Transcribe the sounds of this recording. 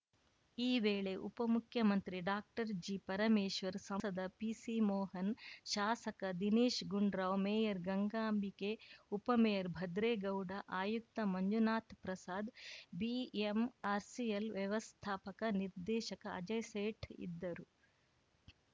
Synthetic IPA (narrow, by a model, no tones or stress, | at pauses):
iːʋeːɭe̞ʔupɐmukʰjɐmɐnt̪ɾiɖaːk̚ʈɐɾd͡ʒiːpɐɾɐmeːʃʋɐɾsɐɐd̪ɐpiːsimɔːɦɐnʃaːsɐkɐd̪iniːʃɡuɳɖɾaːʋmeːjɐɾɡɐŋɡaːmbikeupɐmejɐɾbʱɐd̪ɾeːɡɐwɖɐʔaːjuk̚t̪ɐmɐɲd͡ʒunaːt̪ʰpɾɐsaːd̪biemaːɾsielʋjɐʋɐst̪ʰaːpɐkɐniɾd̪ɛːʃɐkɐɐ̰d͡ʒɐjseːʈḭd̪ːɐɾu